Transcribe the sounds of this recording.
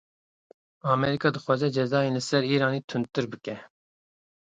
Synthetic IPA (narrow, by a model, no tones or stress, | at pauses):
ɑːmɛɾikɑːd̪ɨxwɑːzɛd͡ʒɛzɑːjeːlɨsɛɾiːɾɑːniːt̪ʰɨnt̪ɨɾbɨkɛ